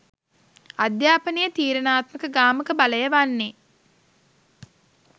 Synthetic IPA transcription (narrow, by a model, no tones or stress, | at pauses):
ad̪jaːpənijət̪iːɾənaːt̪məkəɡaːməkəbaləjəʋanːe